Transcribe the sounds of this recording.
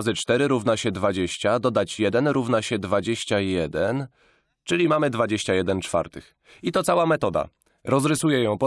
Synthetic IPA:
zɘt͡ʂt̪ɛɾɘɾuvnaɕɛd̪vad͡ʑeɕt͡ɕad̪ɔd̪at͡ɕjɛd̪ɛnɾuvnaɕɛd̪vad͡ʑeɕt͡ɕajɛd̪ɛn | t͡ʂɘlʲimamɘd̪vad͡ʑeɕt͡ɕajɛd̪ɛnt͡ʂfa̰ɾt̪ɘx | it̪ɔt̪sawamɛt̪ɔd̪a̰ | ɾɔzɾɘsujɛjɔ̃w̃pɔ

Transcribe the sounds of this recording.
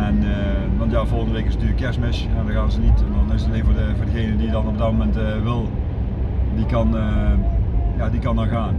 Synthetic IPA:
ɛnə | ʋɑntjaːvolˠɣəndəʋeːkɪsnətyːləkːɛɹsmɪʃɛndɔɣaːnzənitɛndɔnɪsteːvʊdəvʊːrdəɣejnədidɑnɔb̚dɑtmomɛnt | ʋɪlˠ | dikɑn | jaːdikɑndɑnɣaːn

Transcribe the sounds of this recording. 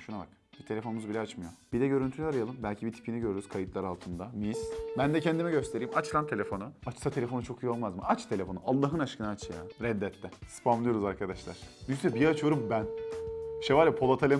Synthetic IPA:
ʃunaba̰k | bit̪ʰe̞lʲefo̞numuzbilʲɛat͡ʃmɯjob̥id̪ɛɟø̞ɾynt̪ʰylʲaɾajalˠɯmbælʲcʰibit̪ʰi̥pʰiniɟøɾyɾyz̥kʰajɯt̪lˠaɾalˠt̪ʰɯnd̪amisbænd̪ɛcʰɛnd̪imɛɟø̞st̪ʰe̞ɾijːimat͡ʃlˠant̪ʰe̞lʲe̞fo̞nuat͡ʃsat̪ʰe̞lʲe̞fo̞nut͡ʃʰo̞kʰɯjo̞lˠmazmɯat͡ʃt̪ʰe̞lʲe̞fo̞nualˠːaɦɯnaʃkʰɯnaːt͡ʃʰjaɾɛd̪ːɛt̪ʰːɛsɯ̥pʰamlˠɯjo̞ɾuzaɾkʰad̪aʃlˠa̰ɾ̥d̪ysɛbijɛat͡ʃʰyjo̞ɾumbæn | ʃevaːlʲɛpʰo̞lˠat̪ʰalʲe

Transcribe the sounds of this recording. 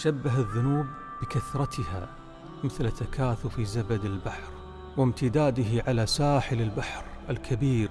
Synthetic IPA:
ʃabːaɦɪðːʊnuːbː | ɪkaθɾˤɑt̪ʰɪha̰ | mɪθlt̪ːakʰaːθʊfizabad̪ɪlbaħɾ | wɪmt̪ɪd̪aːd̪ɪɦɪʕalasaːħɪlɪlbaħɾ | ɪlkʰabiːɾ

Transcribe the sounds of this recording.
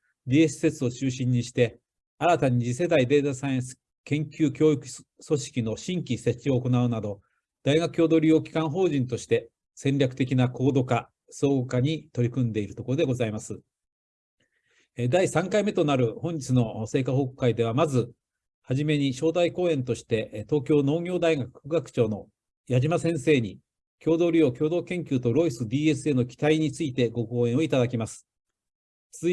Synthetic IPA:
ɾʲiesɨ̥se̞t͡sɨo̞t͡ɕɨːɕĩɲ̟ːiɕi̥t̪e̞ | aɾat̪aɲ̟id͡ʑise̞d̪aid̪e̞ːt̪asãẽs | kẽ̞ŋkʲɨːkʲo̞ːikɯ̟̥ | so̞ɕi̥kʲino̞ɕĩŋkʲise̞t͡ɕːio̞ːko̞naɯ̟nad̪o̞ | d̪̥aiɡakɯ̟̥jo̞ːd̪o̞ɾʲio̞ːkʲi̥kãɰ̃ɦo̞ːʑĩnt̪o̞ɕi̥t̪e̞ | sẽ̞nʲɾʲakɯ̟t̪e̞kʲinako̞ːd̪o̞ka | so̞ːɡokaɲ̟it̪o̞ɾʲikɯ̟̃nd̪e̞iɾɯ̟t̪o̞ko̞ɾo̞d̪e̞ɡozaimasɨ | d̪aisãŋkaime̞t̪o̞naɾɯ̟hõ̞ɲ̟d͡ʑit͡sɨno̞se̞ːkahokɯ̥kːaid̪e̞βamazɨ | haʑime̞ɲ̟iɕo̞ːd̪aiko̞ːẽ̞nt̪o̞ɕi̥t̪e̞t̪o̞ːkʲo̞ːno̞ːɡʲo̞ːd̪aiɡakɯ̥ɡakɯ̟̥t͡ɕo̞ːno̞ | jaʑimasẽ̞ɰ̃se̞ːɲ̟i | kʲo̞ːd̪o̞ːɾʲio̞ːkʲo̞ːd̪o̞ːkẽ̞ŋkʲɨːt̪o̞ɾo̞isɨbʲiːe̞sɨe̞ːno̞kʲi̥t̪aiɲ̟it͡sɨit̪e̞ɡo̞ko̞ːẽɰ̃oit̪ad̪akʲimasɨ̥ | t͡s

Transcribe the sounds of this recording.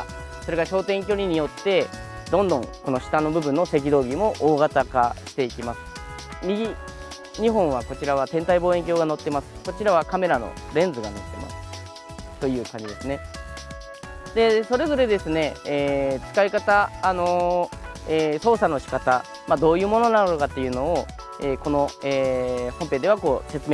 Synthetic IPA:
so̞ɾe̞ɡaɕo̞ːt̪ẽ̞ŋkʲo̞ɾʲiɲ̟ijo̞t̪ːe̞ | d̪õ̞nd̪õ̞ŋko̞no̞ɕi̥t̪ano̞bɯ̟bɯ̟nːo̞se̞k̬ʲid̪o̞ːɡʲimo̞ʔoːɡat̪aka̰ɕi̥t̪e̞ikʲimasɨ̥ | mʲiɡʲi | ɲ̟iɦõ̞ɰ̃β̞ako̞t͡ɕiɾaβ̞at̪ẽ̞nt̪aibo̞ːe̞ŋk̬ʲo̞ːɡano̞t̪ːe̞masɨ̥ko̞t͡ɕiɾaβ̞akame̞ɾano̞̰ | ɾẽ̞nd͡zɨɡano̞t̪ːe̞ma̰sɨ̥ | t̪o̞jɯ̟ːkãɲ̟d͡ʑid̪e̞sɨne̞ | d̪e̞so̞ɾe̞zo̞ɾe̞d̪e̞sɨne̞ː | t͡sɨ̥kaikat̪aːno̞ | eːso̞ːsano̞ɕi̥kat̪a | mad̪o̞ːjɯ̟ːmo̞no̞nanookat̪ːe̞jɯ̟ːno̞ː | eːko̞no̞eːhompe̞ːd̪e̞β̞ako̞ːse̞t͡sɨme

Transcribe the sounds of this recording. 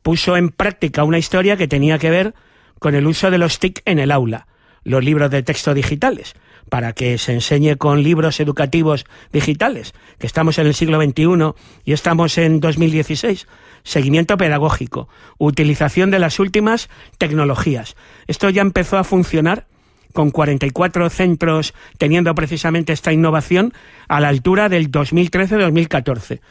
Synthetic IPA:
puso̞e̞mpɾak̚t̪ikaunaist̪o̞ɾjake̞t̪e̞niake̞β̞e̞ɾ | ko̞ne̞luso̞ð̞e̞lo̞st̪ike̞ne̞lawla | lo̞zliβ̞ɾo̞zðet̪e̞kst̪o̞ðixit̪ale̞s | paɾake̞se̞ːnse̞ɲe̞ko̞nliβ̞ɾo̞se̞ðukat̪iβ̞o̞zðixit̪ale̞s | kest̪amo̞se̞ne̞lsiɣlo̞β̞e̞nt̪iuno̞ | ie̞st̪amo̞se̞nd̪o̞zmild̪je̞θise̞jsː | e̞ɣ̞imjent̪o̞pe̞ðaɣ̞o̞xiko̞̰ | ut̪iliθaθjo̞nd̪e̞lasult̪imast̪e̞kno̞lo̞xias | e̞st̪o̞ʝaempe̞θo̞afunθjo̞naɾ | ko̞ŋkwaɾe̞nt̪ajkwat̪ɾo̞θe̞nt̪ɾo̞st̪e̞nje̞nd̪o̞pɾe̞θisamẽnt̪e̞est̪ainːo̞β̞aθjo̞n | alaːlt̪uɾaðe̞ld̪o̞zmilt̪ɾe̞θe̞ðo̞zmilkat̪o̞ɾθe̞

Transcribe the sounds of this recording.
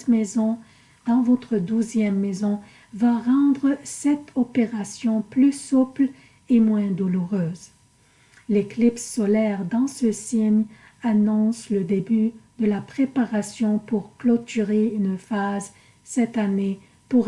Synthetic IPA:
mezɔ̃ | d̪̥ɑ̃vɔt̪χəd̪uzjɛmːezɔ̃ | vaʁɑ̃d̪ʁəsɛt̪ʰɔpeʁasjɔ̃plysupl | emwɛ̃d̪uluʁøːz | leklipsːɔlɛʁd̪ɑ̃səsiɲ | anɔ̃sləd̪ebyd̪əlapχepaʁasjɔ̃puʁklɔt̪yʁeynfaz | sɛt̪ane | puʁ

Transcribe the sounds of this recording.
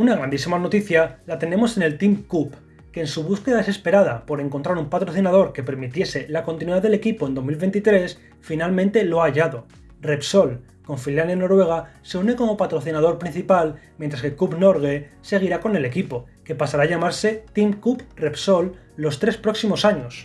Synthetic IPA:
unaɣɾand̪isimano̞t̪iθjalat̪e̞ne̞mo̞se̞ne̞lt̪imkup | ke̞ːnsuβ̞uske̞ðaðe̞se̞spe̞ɾaðapo̞ɾe̞ŋkont̪ɾaɾumpat̪ɾo̞θinaðo̞ɾke̞pe̞ɾmit̪je̞se̞lakont̪inwiðaðe̞le̞kipo̞end̪o̞zmilβe̞nt̪it̪ɾe̞s | finalmẽnt̪e̞loaːʎaðo̞ | repso̞l | ko̞ɱfiljaneno̞ɾwe̞ɣ̞ase̞une̞ko̞mo̞pat̪ɾo̞θinað̞o̞ɾpɾin̟θipalmjẽnt̪ɾaskekupno̞ɾɣ̞ese̞ɣ̞iɾako̞ne̞le̞kipo̞ | ke̞pasaɾaʎamaɾse̞t̪imkuprepso̞lː | o̞st̪ɾe̞spɾo̞ksimo̞saɲo̞s

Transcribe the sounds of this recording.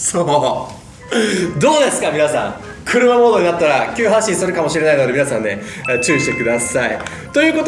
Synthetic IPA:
soː | d̪o̞ːd̪e̞sɨ̥kamʲinasã̰ | kʰɯ̟ɾɯ̟mamo̞ːd̪o̞ɲinat̪ːaɾakʲɨːɦãɕĩɰ̃sɨɾɯ̟kamo̞ɕiɾe̞naino̞d̪e̞mʲinasãnːe̞t͡ɕɨːiɕit̪ekɯ̟d̪asai | t̪o̞jɯ̟ːko̞t̪

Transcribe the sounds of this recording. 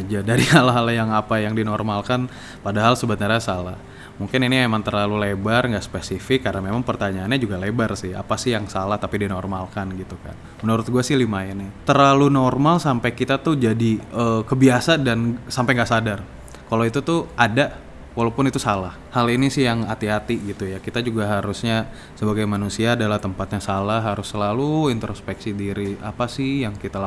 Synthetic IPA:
ad͡ʒadaɾiɦalaɦaljaŋapajaŋdinɔrmalkan | padaɦalsəbət̪nəɾasalah | muŋkɪniniemaŋt̪ərlalulebarŋɡaʔsə̥pesifɪkːarənamemaŋpərt̪aɲaːnɲad͡ʒuɡalebarsɪha̰pasɪhjaŋsalaht̪apidinɔrmalkanɡit̪uka̰n | mənuɾʊt̪̚ɡuasɪhlimaɛnat̪ərlalunɔrmalsampajkit̪at̪uhd͡ʒadiəkəbiasadansampajŋɡaʔsadar | kaloit̪ut̪uʔada | walawpʊnit̪usalahhalinisɪhjaŋat̪iɦat̪iɡit̪ujakit̪ad͡ʒuɡaɦaɾusɲa | səbaɡajmanusiaːdalaht̪əmpat̪̚ɲasalaɦɦaɾʊsːəlaluint̪ɾospɛksidiɾia̰pasɪhjaŋkit̪ala

